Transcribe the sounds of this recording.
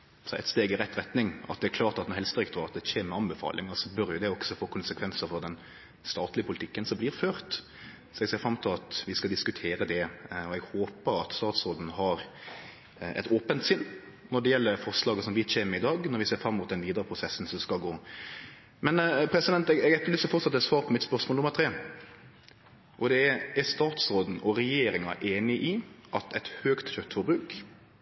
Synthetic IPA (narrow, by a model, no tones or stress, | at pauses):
sɔɛ̰t̪st̪eːɡɪɾɛt̪ːɾɛt̪nɪŋɑ̰t̪d̪ɛæklɑːɾt̪ɑt̪nɔɾɛlst̪d̪ɾɪkt̪oɑt̪̚d̪ɛc͡çeːməɾɑmbəfɑ̰ːlʔɪ̰ŋɑsɔbœɾjʊd̪ɛɔksɔfoːkʰʊnsəkʰʋɛnsəɾfɔɾd̪ɛn | st̪ɑːt̪lɪəpʰʊlt̪ʰɪkːənsɔmblɪːɾføːɾt̪ | sɔɛɡseːɾfɾɑmːt̪ʰɪlɑt̪ʋɪskɑd̪ɪskʉt̪ʰeːɾəd̪ɛɔɛɡhoːpəɾɑt̪st̪ɑːt̪sɾoːd̪n̩ɦɑɾ | ɛ̰t̪oːpənt̪sɪnː | nɔɖɛjɛlːəfɔɾʂlɑːɡəsɔmʋɪt̪ɕeːməɾɪd̪ɑːɡnɔɾʋɪseːɾfɾɑmːʊt̪̚d̪ɛnʋiːd̪əɾəpʰɾʊsɛsn̩sɔskɑlɡoː | mɛnpʰɾɛsɪd̪ɛnt̪ɛɡɛɡɛt̪ːəlyːsəfɔʁt̪sɑt̪ːɛt̪sʋɑːɾpʰɔmɪt̪spœɾsmoːlʊmːəɾt̪ʰɾeː | ʔɔd̪ɛæɾst̪ɑːt̪sɾoːd̪n̩ɔɾɛjeːɾɪŋɑ̰ʔeːnɪʔiʔɑt̪ʰɛt̪høːkt̪çœt̪ːfɔbɾʉːk